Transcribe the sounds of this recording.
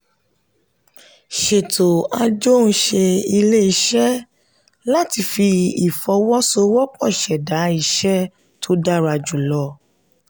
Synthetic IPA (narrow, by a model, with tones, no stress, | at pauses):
ʃe˨to˨a˧d͡ʒo˦ñ̩˧˦ʃe˧i˧le˦i˧˦ʃɛ˦ | la˦ti˧fi˧i˨fɔ˧˦wɔ˦so˧˦wɔ˦k͡pɔ˦˨ʃɛ˨da˨˦i˦ʃɛ˦ | tʰo˦da˦ɾa˧d͡ʒu˨lɔ˧˦